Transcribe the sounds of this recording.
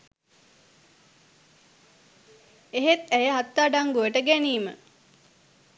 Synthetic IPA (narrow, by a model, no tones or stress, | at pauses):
eɦet̪æjəɦat̪ːaːɖaŋɡujəʈəɡæniːmə̰